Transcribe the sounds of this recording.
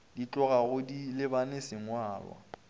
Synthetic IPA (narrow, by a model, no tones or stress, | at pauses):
dit͡ɬʼɔɣaɣʊdilɪbanesɪŋ̩waːlwa̰